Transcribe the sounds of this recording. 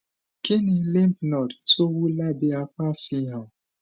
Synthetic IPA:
kɪ˦ni˨li˦m˦pnɔ˨dto˦wu˦la˦bɪ˦a˦kʷa˦fi˦a˨

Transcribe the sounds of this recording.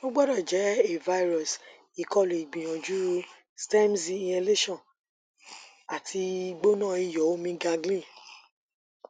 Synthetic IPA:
no˦ɡ͡bɔ˦ɾa˦˨d͡ʒɛ˨˦e˦˨va˧i˦ɾɔ˨s | i˨kɔ˦˨lu˨i˨ɡ͡bĩ˨j̃ɔ̃˨d͡ʒu˦ | stɛ˦mzi˧ĩ˧ɛ˧le˦ʃɔ̃˦˨ | a˨tʰi˧i˧˦ɡ͡bo˦nãː˦˨i˧jɔ˨˦o˦mĩ˧ɡa˧ɡlĩ˦˨

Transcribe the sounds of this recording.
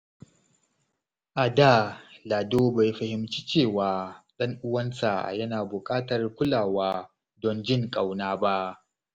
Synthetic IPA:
ʔa˨da˦˨laː˨doː˦ba˨jɸɐ˨hɪ˦mt͡ʃi˦t͡ʃeː˦˨waː˨ɗɐ˦ŋʔʊ˦wɐ˦nsa̰˨jɐ˦naː˨bʊ˨kʼaː˦tɐ˨rkʷʊ˦laː˨waː˦ | dɔ˨nd͡ʒɪ˦ŋkʼa˨wnaː˦ba˦ʔ

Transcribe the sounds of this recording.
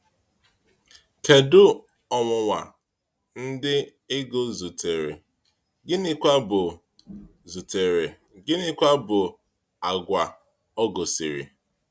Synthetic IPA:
ke˨dʊ˦ | ɔ˨ŋʷʊ˨ŋʷa˨ | n̩˦dɪ˦ | ɪ˦ɡo˦zu˨tʰe˨ɾḛ˨ | ɡɪ˦nɪ˦kʷa˦bʊ˨ | zu˨te˨ɾe˨ | ɡɪ˦nɪ˦kʷa˦bʊ˨ | a˨ɡʷa˨ | ɔ˦ɡo˨si˨ɾḭ˨

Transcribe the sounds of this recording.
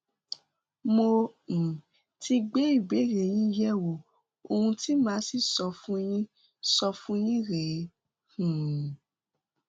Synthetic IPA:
mo˧ñ̩˨ | ti˧ɡ͡be˨˦i˦˨ɡ͡be˨˦˨ɾe˨j̃ĩ˦jɛ˦˨wo˨ | o˧hũ˧ti˦mãː˨˦si˦˨sɔ˧fũ˦j̃ĩ˦ | sɔ˧fũ˦jĩ˦ɾe˨˦ | hũ˨

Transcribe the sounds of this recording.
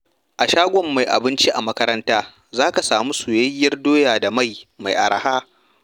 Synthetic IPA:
ʔa˨ʃaː˦ɡʷɔ˨mːa˨jʔa̰˨bɪ˦nt͡ʃi˦ʔa˨mɐ˦kɐ˦ɾɐ˦ntaː˦ | zaː˦ka˨saː˨mu˦su˨jɐ˦jːɐ˦rdoː˦jaː˨da˨ma˦˨jma˨jʔa̰˨ɾɐ̰˨haː˦

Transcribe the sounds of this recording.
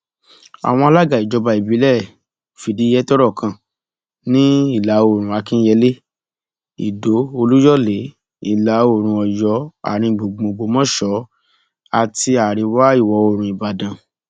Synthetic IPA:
a̰˨w̃ɔ̃˧a˧la˦ɡa˨i˨d͡ʒɔ˨˧˦ba˧i˨bi˨˦lɛ˦˨ | fi˨di˨˦jɛ˦tɔ˦ɾɔ˦˨kʰã˨ | nĩ˦i˦˨la˨˦o˦˨ɾ̃ũ˨˦a˧kĩ˦jɛ˧˦le˦ | ḭ˨do˨˦o˧lu˦jɔ˦˨le˨˦ | i˦˨la˨˦o˦˨ɾ̃ũ˧ɔ˨jɔ˨˦a̰˨ɾ̃ĩ˧˨ɡ͡bo˨ɡ͡bõ˨ɡ͡bo˧˦mɔ̃˦ʃɔ˨˦ | a˦˨ti˧a˨ɾi˨˧wa˦i˦˨wɔ˨˦o˨ɾ̃ũ˨˧i˨ba˨dã˨

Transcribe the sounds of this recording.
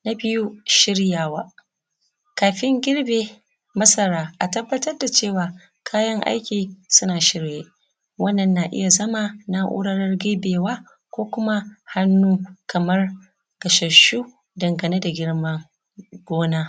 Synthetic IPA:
na˦bɪ˦ju˦ʃɪ˦ɽjaː˨waː˦ | kaː˨ɸɪ˦ŋɡʲɪ˦ɽbeː˨ | mɐ˦sɐ˦ɾaː˦ʔa˨tɐ˦bːɐ˦tɐ˦rda˨t͡ʃeː˦˨waː˨ | kʰaː˦jɐ˦ŋʔa̰˦jkʲiː˨sʊ˦naː˨ʃɪ˦ɽjeː˦ | wɐ˦nːɐ˨nːaː˨ʔɪ̰˦ja˨zɐ˦ma˨na˦ʔʊ̰˦ɽɐ˦ɽɐ˦rɡeː˦beː˨waː˦ | kʷoː˦kʷʊ˦ma˦ha˦nːuː˦kɐ˨mɐ˦r | ɡ̥ɐ˨ʃɐ˨ʃu˦ | dɐ˨ŋɡɐ˨neː˦da˨ɡʲɪ˦ɽma˦ | ɡ̥ʷoː˦naː˦

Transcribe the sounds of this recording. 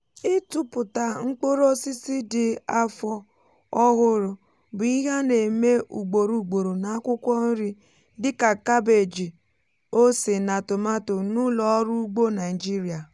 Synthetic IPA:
ɪ˦tʊ˨pʊ˨ta˨ŋ͡m̩˦k͡po˦ɾo˦si˦si˦dɪ˦a˦fɔ˦ | ɔ˦ɦʊ˦ɾʊ˨ | bʊ˨i˦ɦa˦ne˨me˦ʔu˨ɡ͡bo˨ɾu˨ɡ͡bo˨ɾo˨na˨a˦kʷʊ˦kʷɔ˦n̩˦ɾi˦ | dɪ˦ka˨ka˦be˨d͡ʒi˨ | o˦si˨na˨tʊ˨ma˦to˨nu˦lɔ˨˦ɾu˦ɡ͡bo˦na˨i˨d͡ʒi˦ɾi˨a˨

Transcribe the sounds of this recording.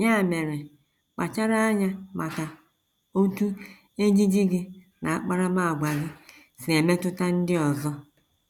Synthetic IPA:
ɲa˦˨me˨ɾe˨ | k͡pa˨t͡ʃa˦ɾa˦a˦ɲa˦ma˨ka˨ | o˦tu˦ | e˦d͡ʒi˦d͡ʒi˦ɡɪ˦ | nʔa˨a˦˨k͡pa˦ɾa˦ba˦a˨ɡ͡bʷa˨ɣɪ˦ | si˨e˨me˦tʊ˦ta˦n̩˦dɪ˦ɔ˨zɔ˦

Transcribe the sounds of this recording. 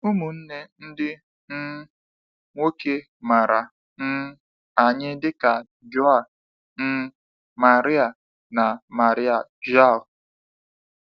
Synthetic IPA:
u˦mu˨n̩˦ne˦n̩˦dɪ˦ | n̩˦ | ŋʷo˦ke˦ | ma˨ɾa˨ | n̩˦ | a˨ɲɪ˦dɪ˦ka˨ | d͡ʒɔ˦a˨ | n̩˦ | ma˨ɾɪ˦a˨ | na˨ma˨ɾɪ˦a˨d͡ʒa˦˨l

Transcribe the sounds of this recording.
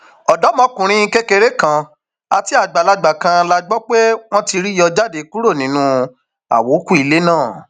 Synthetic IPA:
ɔ˨dɔ˨˦mɔ̃˧˦kũ˨ɾ̃ĩ˧˦i˧ke˦ke˧ɾe˦kã˧˨ | a˧ti˨˦a˦˨ɡ͡ba˨la˧ɡ͡ba˨kã˧la˧ɡ͡bɔ˦k͡pe˦w̃ɔ̃˦ti˧ɾi˦jɔ˧d͡ʒa˦˨de˨˦ku˦ɾo˦˨nĩ˨˦nũ˧ | a̰˨wo˨˦ku˦i˧le˦nãː˦˨

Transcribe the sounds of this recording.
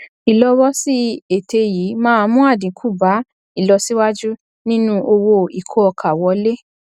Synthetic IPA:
i˨lɔ˧wɔ˦si˦e˨tʰe˧jiː˨˦mãː˦˧mũ˦a˦˨dĩ˨˦kʰu˦˨ba˨˦ | i˦˨lɔ˧si˦wa˦d͡ʒu˦ | nĩ˦nũ˦ʔo˧wo˧i˨kʰo˦ɔ˧kʰa˨wɔ˧˦le˦

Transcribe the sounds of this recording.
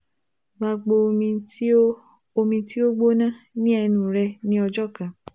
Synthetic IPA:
ɡ͡ba˧ɡ͡bo˧mĩ˧˦ | o˧mĩ˧ti˦o˦ɡ͡bo˦nã˦nĩ˦ɛ˧nũ˨ɾɛ˧nĩ˦ɔ˧d͡ʒɔ˦˨kã˨

